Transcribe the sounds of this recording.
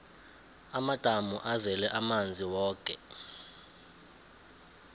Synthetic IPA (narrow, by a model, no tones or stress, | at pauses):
amad̥ʱamuʔazɛlɛʔamand͡zʱiwɔːkʼɛ̰